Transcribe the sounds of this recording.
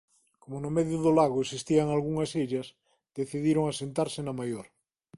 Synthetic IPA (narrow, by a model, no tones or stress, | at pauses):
komonʊmɛðjʊðolaɣʊeksist̪iaŋalɣuŋɐsiʎɐs | d̪̥eθiðiɾoŋasent̪aɾsɪnamajoɾ